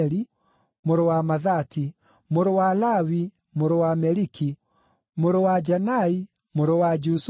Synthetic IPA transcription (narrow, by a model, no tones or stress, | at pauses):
ɾi | moɾowamaðati | moɾowalawi | moɾowamɛɾiki | moɾowad͡ʒanai | moɾowad͡ʒus